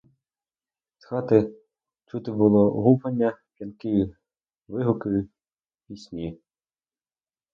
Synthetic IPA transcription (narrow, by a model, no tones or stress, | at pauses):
sxɑt̪ɪ | t͡ʃut̪ɪbʊlˠɔ̰ɦupɐnʲːɐpʲjɐnkɪjʊ | ʋɪɦʊkɪjʊ | pʲisʲnʲi